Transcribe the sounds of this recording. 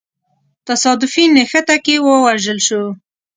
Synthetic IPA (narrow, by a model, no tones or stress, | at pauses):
t̪asɑd̪ʊfinəxət̪akewəwaʒəlʃu